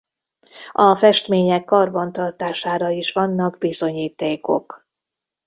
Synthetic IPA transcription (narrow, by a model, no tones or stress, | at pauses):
ɒfɛʃt̪meːɲɛkːɒrbɒnt̪ɒrt̪aːʃaːɾɒiʃʋɒnːɒɡbizo̞ɲiːt̪eːko̞̰k